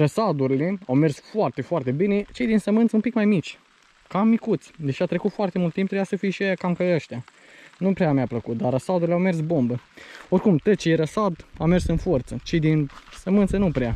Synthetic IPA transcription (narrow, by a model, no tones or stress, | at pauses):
rəsad̪uɾile̞awme̞rsfoart̪e̞foart̪e̞bine̞t͡ʃe̞jd̪insəmɨnt̪səunmpikmajmit͡ʃʲ | kamːikut̪sʲd̪e̞ʃat̪ɾekut̪foart̪emult̪ːimpt̪ɾebjasəfijʃiajakamkəəʃt̪ʲja | nupɾeamjapləkut̪̚d̪arəsad̪uɾileawme̞rsbo̞mbəo̞rkumt̪ət͡ʃeɾəsad̪awme̞rsɨnfort̪sət͡ʃe̞jd̪insəmɨnt̪sənupɾea